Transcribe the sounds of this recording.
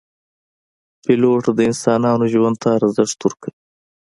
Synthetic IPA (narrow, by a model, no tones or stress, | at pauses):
pɪloːʈd̪əɪnsɑːnɑːnoʒwand̪̚t̪aɾazɪʂt̪uɾkəi